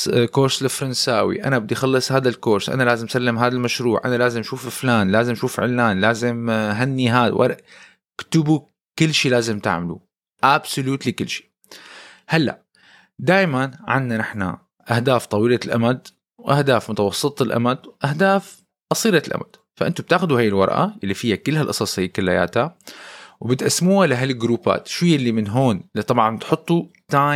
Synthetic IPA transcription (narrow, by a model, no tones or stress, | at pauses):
koːɾslɪfɾˤɑnsaːwḭʔa̰nabɪd̪ixɑlːɨsˤhaːðalkoːɾsʔa̰nalaːzɪmʔsalːɪmɦaːðalmaʃɾuːʕʔa̰nalaːzɪmʔaʃuːfɪflaːnlaːzɪmʔaʃuːfʕɪ̰lːaːnlaːzɪmɦanːiɦaːðwʔa̰l | kt̪ʊbu | kɪlːʃiːlaːzɪmt̪a̰ʕmalṵ | ʔabsʊluːt̪likɪlːʃi̥ː | halːa̰ʔ | d̪aːjmanʕa̰nːanɪħna̰ | ʔahd̪aːft̪ˤɑwiːlalʔa̰mad̪ | wʔahd̪aːfmʊt̪awɑsˤːɨt̪ˤɪlʔa̰mad̪wʔahd̪aːf | ʔɑsˤiːɾalʔa̰ma̰d̪̥ | faʔɪnt̪ʊb̚t̪aːxʊd̪uhaːjɪlwɑ̰ɾˤʔa̰ʔɪlːifijːakɪlːhalʔɑsˤɑsˤhajːkɪlːaja̰ːt̪ha | wɪbɪt̪ʔasmuːhalɪɦalɪlɡɾuːpa̰ːt̪ʃwijːɪlːimɪnɦoːnɪlit̪ˤɑbʕɑnt̪ħʊt̪ˤːut̪aː